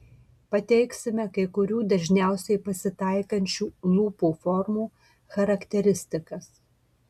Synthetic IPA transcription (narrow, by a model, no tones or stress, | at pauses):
pɐt̪ʲɛɪksʲɪmʲɛkɐɪkʊɾʲuːd̪ɐʒʲnʲæˑʊsʲɛɪpɐsʲɪt̪ɐˑɪkɐnʲt͡ʃʲuːlˠuːpuːfɔɾmuː | xɐɾɐkt̪ʲɛɾʲɪsʲt̪ʲɪkɐs